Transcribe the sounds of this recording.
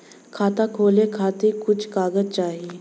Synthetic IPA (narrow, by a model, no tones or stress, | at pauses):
kʰaːt̪akʰoːlekʰaːt̪ekʊt͡ʃʰkaːɡəd͡ʒt͡ʃaːɦieː